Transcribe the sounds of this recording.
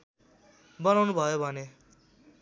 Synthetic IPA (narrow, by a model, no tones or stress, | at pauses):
bʌnawnubʱʌjobʱʌne